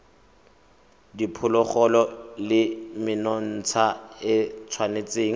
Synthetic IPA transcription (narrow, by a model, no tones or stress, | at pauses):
dipʰʊlɔχɔlɔlɪmɪnɔn̩t͡sʰaɪt͡sʰwanet͡seːŋ̩